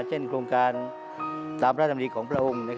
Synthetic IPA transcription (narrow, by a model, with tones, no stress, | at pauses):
t͡ɕʰe˥˩nkʰɾoː˧ŋkaː˧n | t̪aː˧mpʰɾa˥˩a˧˩diː˧kʰɔː˩˦ŋpʰɾa˧ʔo˧mna˦˧k